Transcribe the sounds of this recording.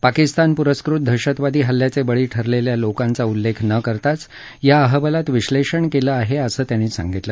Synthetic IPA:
pakist̪anpuɾəskɾut̪̚d̪ʱəɕət̪ʋad̪ʱiːɦəlːjat͡sebəɭiːʈʰəɾleljalokãnt͡saulːekʰnəkəɾt̪at͡s | jaəɦəbəlat̪ʋiɕleʂəɳkeləaɦeəsəːt̪jañiːsã̰ŋɡit̪lə

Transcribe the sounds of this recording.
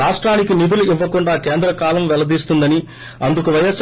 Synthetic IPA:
aːʂʈɾaːnikinid̪uluiʋːɐkuɳɖaːkeːnd̪ɾɐkaːlɐmʋɛlɐd̪iːst̪und̪ɐni | ɐnd̪ukuʋɐjɐs

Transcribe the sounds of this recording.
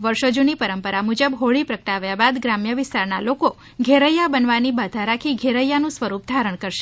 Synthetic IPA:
ʋəɾʃod͡ʒunipəɾəmpəɾamud͡ʒəbɦoɭipɾəkʈaʋjabad̪ɡɾamjəʋɪst̪aɾnaloko | ɡʱeɾəjabənʋanibad̪ʱaɾakʰiɡʱeɾəjːanũsʋəɾupd̪ʱaɾəɳ̃kəɾʃe̥

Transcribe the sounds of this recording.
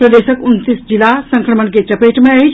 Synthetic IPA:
pɾəd̪eːʃəkʊnt̪isd͡ʒɪlasɐ̃ŋkɾəməɳketɐpeːʈmẽɐi

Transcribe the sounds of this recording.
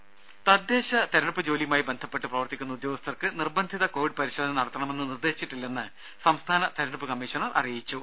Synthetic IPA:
t̪ɐd̪ːe̞ːɕɐt̪ɐɾɐɳɨpːɨd͡ʑo̞ːlimaːjibe̞nd̪ʱɐpːe̞ʈːɨprɐʋɐrt̪ːikʲːunːɐud̪jo̞ːɡɐst̪ʰɐrkɨnirbɐnd̪ʱiðɐko̞ːʋiɖpɐɾiɕɐːd̪ʰʱɐnnɐɽɐt̪ːɐɳɐme̞nːɨnird̪e̞ːɕit͡ɕːiʈːilːenːɨ | sɐmst̪ʰaːnɐt̪ɐɾɐɳɨpːɨkɐmːiːʂɐɳɐrʔɐ̰rijit͡ɕːu

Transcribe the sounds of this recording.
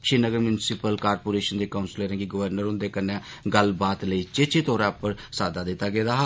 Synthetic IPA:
ʃiːnəɡəɾmjʊnɪsɪpəlkaːɾpoːɾeːʃənd̪eːkaːnsɪleːɾɛ̃ːɡiːɡəʋəɾnəɾʊ̃nd̪eːkənɛ̃ː | ɡəlbaːt̪ləiːt͡ʃet͡ʃeːt̪oːɾãːpəɾsaːd̪aːd̪ɪt̪ːaːɡeːd̪aːɦ

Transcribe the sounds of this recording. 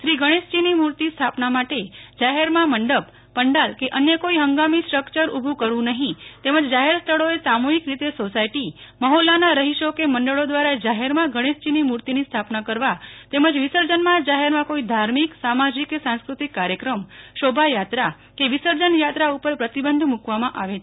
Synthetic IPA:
ʃɾiɡʱəɽ̃est͡ʃinimuɾt̪ist̪ʰapnamaʈed͡ʒaɦeɾmãməɳɖəb | pəɳɖalkeʔənjəkoiɦəŋɡamisʈɾəkt͡ʃəɾubʱũkəɾʋũnəɦĩt̪eməd͡ʒd͡ʒaɦeɾst̪ʰəɭoesamuɦikɾit̪esosaiʈiməɦolanaɾəɦiʃokeməɳɖəɭod̪ʋaɾad͡ʒaɦeɾmãɡʱəɽ̃est͡ʃinimuɾt̪inist̪ʰapnakəɾʋat̪eməd͡ʒʋisəɾd͡ʒənmãd͡ʒaɦɛɾmãkoid̪ʱaɾmiksamad͡ʒikːesãnskɾut̪ikːaɾjəkɾəmʃobʱajat̪ɾa | keʋisəɾd͡ʒənjat̪ɾaupəɾpɾət̪ibənd̪ʱmukʋamãʔaʋet͡ʃʰe

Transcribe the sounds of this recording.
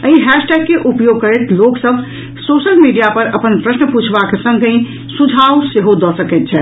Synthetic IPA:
əiɦɛʃʈɛɡ̚keʔupjoɡ̚kəɾɛt̪loksəbʱ | soʃəlmiɖijapəɾəpənpɾəsnəput͡ʃʰbakesə̃ŋɡʱĩ | sud͡ʒʱauseɦod̪ɔsəkɛt̪t͡ʃʰɛ

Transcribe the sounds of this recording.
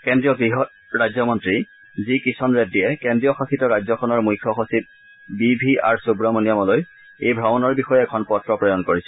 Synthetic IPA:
kendɹijɔɡɹiɦɔt | ɹajzɔmɔntɹi | zikisɔnɹedːijɛkendɹijɔxaxitɔɹajzɔkʰɔnɔɹmujkʰːɔxɔsit̚ | bibʱia̰ɹsubɹɔmonijamɔloj | ejbʱɹabɔnɔɹbixɔjɛɛkʰɔnpɔtɹɔpɹɔjɔnkoɹisɛ̥

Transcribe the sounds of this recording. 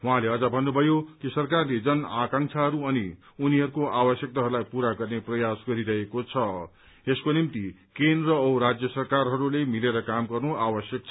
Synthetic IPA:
wuɦãleʌd͡zʌbʱʌnːubʱʌjokisʌrkarled͡zʌnakãŋsʰaɦʌɾuʌni | uniɦʌɾukoʔabʌsjʌk̚t̪aɦʌɾulajpuɾaɡʌrneprʌjasɡʌɾiɾʌɦekot͡sʰʌ | eskonimt̪ikend̪rʌɾad͡zjʌsʌrkarɦʌɾulemileɾʌkamɡʌrnoabʌsjʌk̚t͡sʰ

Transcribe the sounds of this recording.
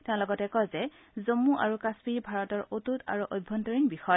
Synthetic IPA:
tɛ̃ʊ̃lɔɡɔtɛkɔjzɛ | zomuʔa̰ɹukaspibʱaɹɔtɔɹotuta̰ɹuʔobʱɔntoɹiŋbixɔjɔ

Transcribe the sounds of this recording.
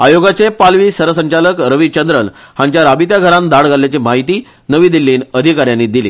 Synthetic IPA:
ajoɡat͡sepalʋiːsəɾəsəɲt͡ɕaləkɾəʋit͡ɕənd̪ɾəl | hãɲt͡ɕjaɾabit̪jaɡʱəɾand̪aɽɡʱalljat͡ɕimaɦit̪iː | nəʋiːd̪ilːiːnəd̪ʱikaɾjanːid̪ilḭː

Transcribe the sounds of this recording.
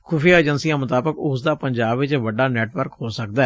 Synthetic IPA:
kʰʊfijaːed͡ʒənsiːãːmət̪aːbəkʊsd̪aːpəɲd͡ʒaːbʋɪt͡ʃʋəɖaːnɛːʈʋəɾkhoːsəkd̪aɛ

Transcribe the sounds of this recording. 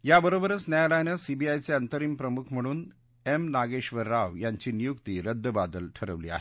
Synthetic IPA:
jabəɾobəɾət͡snjajalajnəsibiajt͡seənt̪əɾiːmpɾəmukʰm̤əɽ̃uːn | emnaɡeɕʋəɾːaʋjaɲt͡ɕiːnijukt̪iːɾəd̪ʱːəbad̪əlʈʰəɾəʋliːa̰ɦe̥

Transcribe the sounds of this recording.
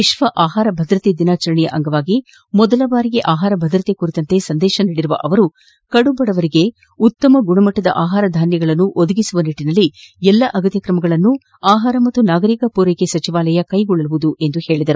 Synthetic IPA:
ʋiʃʋɐʔaːɦaːɾɐbʱɐd̪ɾɐt̪ed̪inaːt͡ʃɐɾɐɳɛjɐ̰ʔɐŋɡɐʋaːɡi | mɔd̪ɐlɐbaːɾiɡe̞ʔaːɦaːɾɐbʱɐd̪ɾɐt̪ekuɾit̪ɐnt̪e̞sɐnd̪ɛːʃɐniːɽiɾuʋɐ̰ʔɐʋɐɾu | kɐɽubɐɽɐʋɐɾiɡe̞ | ut̪ːɐmɐɡuɳɐmɐʈːɐd̪ɐ̰ʔaːɦaːɾɐd̪ʱaːnjɐɡɐɭɐnːuʔod̪ɐɡisuʋɐniʈːinɐlːiɛlːɐʔɐɡɐt̪jɐkɾɐmɐɡɐɭɐnːu | aːɦaːɾɐmɐt̪ːunaːɡɐɾikɐpuːɾɐjkesɐt͡ʃiʋaːlɐjɐkɐjɡɔɭːɐluʋud̪uʔe̞nd̪uhe̞ːɭid̪ɐɾu

